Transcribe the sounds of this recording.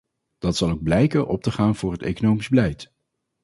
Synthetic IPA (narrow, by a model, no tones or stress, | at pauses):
d̥ɑtsɑlˠowɡ̚blɛjkənʔɔp̚təχaːnv̥ʊːɹɦətḛjkonowmizbəlɛjt